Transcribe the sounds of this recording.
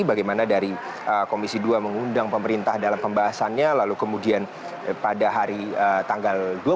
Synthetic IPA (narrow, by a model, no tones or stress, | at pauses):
baɡajmanadaɾi | ʔəkomisiduaməŋundaŋpəməɾint̪ahdalampəmbaɦasanɲalalukəmudian | padaɦaɾiət̪aŋɡaldua